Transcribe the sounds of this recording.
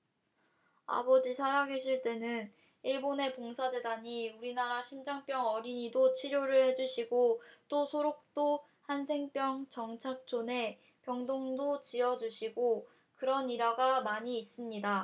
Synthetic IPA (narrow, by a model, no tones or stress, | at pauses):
a̰bʌd͡ʑisʰaɾaɡeɕʰiɭt͈e̞nɯn | iɭbone̞poŋsʰad͡ʑe̞daɲiuɾinaɾaɕʰimd͡ʑaŋp͈jʌŋʌɾiɲidot͡ɕʰiɾjoɾɯɭhe̞d͡ʑuɕʰiɡot͈osʰoɾok̚t͈o | hansʰe̞ŋp͈jʌŋt͡ɕʌŋt͡ɕʰak̚t͡ɕ͈ʰone̞ | pjʌŋdoŋdot͡ɕiʌd͡ʑuɕʰiɡo | kɯɾʌniɾaɡamaɲiːs͈ɯmɲida